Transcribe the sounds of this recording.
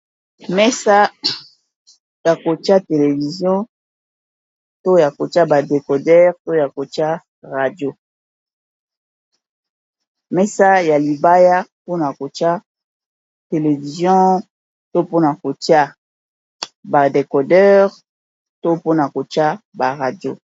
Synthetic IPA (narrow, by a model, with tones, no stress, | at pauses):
mɛ˦sa˦ | ja˨ko˨ti˦a˦te˨le˨vi˨zjɔ̃˦ | to˦ja˨ko˨ti˦a˦ba˨de˨kɔ˨dɛ˦ʁto˦ja˨ko˨ti˦a˦ | ʁa˨djo˦ | mɛ˦sa˦ja˨li˨ba˦ja˦po˦na˨ko˨t͡ʃa˦ | te˨le˨vi˨zjɔ̃˦ | to˦po˦na˨ko˨ti˦a˦ | ba˨de˨kɔ˨dɛ˦ʁ | to˦po˦na˨ko˨t͡ʃa˦ba˨ʁa˨djo̰˦˨